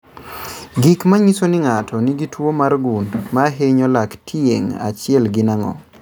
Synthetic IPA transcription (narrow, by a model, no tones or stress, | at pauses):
ɡikmaɲisonɪŋatʰɔniɡitwomarɡundmaɦeɲɔlaktʰjḛŋa̰t͡ʃɪɛlɡinaŋɔ̰